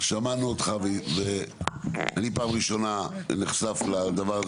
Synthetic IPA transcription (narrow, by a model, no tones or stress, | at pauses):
ʃamanuot̪χaveve | anipaːmʁiʃo̞naniχsaflad̪avaʁa